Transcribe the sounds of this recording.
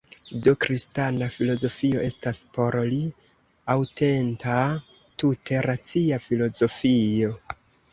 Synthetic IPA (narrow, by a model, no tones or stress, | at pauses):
dokɾistanafilo̞zo̞fio̞ʔe̞staspo̞ɾli | awtʰe̞ntʰa | tutʰe̞ɾat͡siafilo̞zo̞fio̞